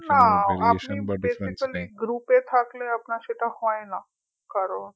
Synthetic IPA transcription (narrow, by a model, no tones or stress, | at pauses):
naapnĩbbesikəliɡɾupet̪ʰakleapnaʃeʈahɔjna | kaɾoɳ